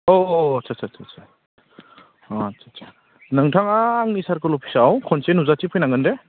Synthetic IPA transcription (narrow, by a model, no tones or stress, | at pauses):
ɔt͡ʃʰasʰat͡ʃʰat͡ʃa | at͡ʃʰat͡ʃʰa | nɯŋtʰaŋaːŋnisaɾkɯlɔpʰi̥sawkʰɔnsenuzatipʰɯjnaŋɡɯnde